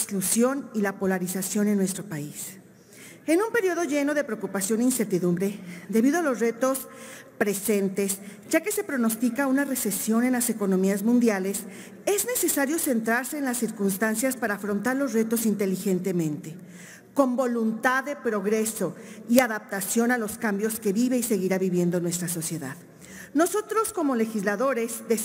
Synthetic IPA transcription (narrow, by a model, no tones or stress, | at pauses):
sklusjo̞nilapo̞laɾisasjo̞ne̞nːwe̞st̪ɾo̞pais | e̞nũmpe̞ɾjoð̞o̞ʝe̞no̞ðe̞pɾe̞okupasjo̞niiːnse̞ɾt̪iðũmbɾe̞ðe̞βiðo̞alo̞sret̪o̞spɾe̞se̞nt̪e̞s | ɟ͡ʝake̞se̞pɾo̞no̞st̪ikaunare̞se̞sjo̞ne̞nlase̞ko̞no̞miazmũnd̪jale̞s | e̞zne̞se̞saɾjo̞se̞nt̪ɾaɾse̞ːnlasːiɾkunst̪ansjaspaɾaːfɾo̞nt̪aɾlo̞zre̞t̪o̞sint̪e̞lixe̞nt̪e̞mẽ̞nt̪e̞ | ko̞mbo̞lunt̪aðːe̞pɾo̞ɣɾe̞so̞iaðap̚t̪asjo̞nalo̞skambjo̞ske̞βiβe̞ise̞ɣiɾaβiβje̞nd̪o̞nwe̞st̪ɾaso̞sje̞ða̰ð | no̞so̞t̪ɾo̞sko̞mo̞le̞xizlaðo̞ɾe̞zd̪e